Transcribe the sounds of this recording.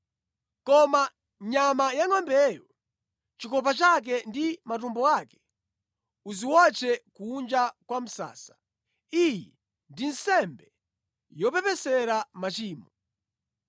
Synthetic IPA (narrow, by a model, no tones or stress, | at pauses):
kɔma | ɲamajaŋwambɛjɔ | t͡ʃikɔp̬at͡ʃak̬ɛndimat̬umbɔakɛ̥ | uziwɔt͡ʃʰɛkuːnd͡ʒakwam̩sa̰ːsḁ | ijɛ | ndin̩sɛmbɛ | jɔpɛpɛsɛɾamat͡ʃiːmɔ